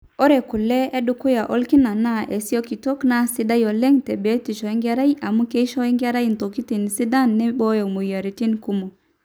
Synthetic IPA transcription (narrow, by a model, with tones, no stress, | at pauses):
ɔ˦ɾɛ˨ku˨lːɛ˦ɛ˦ɗu˨ku˦ja˨ʔo˦lki˦na˨na˦ʔe˨si˦o˦ki˨to˦kna˦si˦da˦jo˨lɛ˦ŋtɛ˨be˦ti˨ʃɔ˨e˦ŋɡa˦ɾa˦jʔa˨mu˦ke˦ʃɔ˦ɛ˦ŋɡa˦ɾa˦jn˨to˨ki˦ti˨n˨si˦da˦nːɛ˦bɔ˦jo˨mu˨ja˨ɾi˨ti˦nku˦mo˨